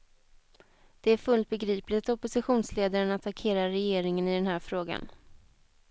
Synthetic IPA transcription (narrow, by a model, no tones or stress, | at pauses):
d̪̥ɛæɾfɵlt̪̚bɛɡɾiːplɪt̪ɔpʊsɪɧuːnsleːd̪aɾənat̪ʰakʰeːɾaɾɛjeːɾɪŋənɪd̪ɛnɦæːɾfɾoːɡa̰n